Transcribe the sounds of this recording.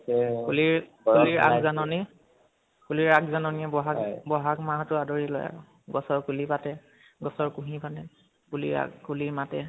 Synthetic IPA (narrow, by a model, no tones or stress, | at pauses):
uliɹkuliɹa̰kzanɔni | kuliɹakzanɔniɛbɔɦakbɔɦakmaɦtʊadɔɹilɔ̰ja̰ɹɔ | ɡɔsɔɹkulipatɛ | ɡɔsɔɹkũɦĩpatɛ | kulḭa̰kuliɹmatɛ